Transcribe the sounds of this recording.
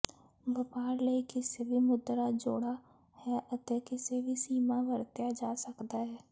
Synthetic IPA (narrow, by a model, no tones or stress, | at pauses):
bɐpaːɾleikɪsebʱimʊd̪ɾad͡ʒo̰ːɽa | hɛʔɐt̪ekɪsebʱisiːmaʋəɾt̪jad͡ʒaːsəkt̪aɦɛː